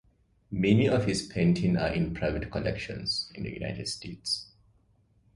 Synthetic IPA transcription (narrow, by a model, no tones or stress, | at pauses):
meniɔʋhispʰẽɪ̃nʈʰĩna̰ːɾʔɪ̃npʰɾaɪʋeʈkɔlɛ̰kʃə̰̃nsɪ̃nd̪ə̰juna̰ɪʈeɖsʈeːʈs